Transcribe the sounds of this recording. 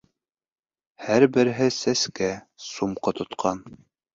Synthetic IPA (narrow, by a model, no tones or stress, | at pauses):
hæɾbɘ̆ɾɘɦɘsæskæ | sumqot̪ʰŏt̪qʰɑn